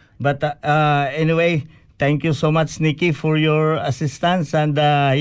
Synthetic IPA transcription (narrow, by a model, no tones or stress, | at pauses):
bɐt̪aɛnɪwej | t̪ɛ̃ŋkjusomat͡ʃnikifɔɹjɔɹɐsɪst̪ãnsɛ̃nd̪ɐ